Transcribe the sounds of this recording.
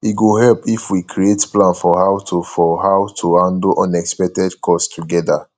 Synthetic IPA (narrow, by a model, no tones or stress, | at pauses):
iɡoɦɛlpifwikʰɾietplãnfɔɦawtʰofɔhawtʰuhãndlʔɔ̃nɛkspɛk̚tɛdkʰɔstʰuɡɛda